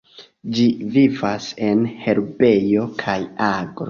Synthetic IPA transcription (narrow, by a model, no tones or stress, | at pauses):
d͡ʒivivase̞nhe̞ɾbe̞jo̞kʰajaɡɾo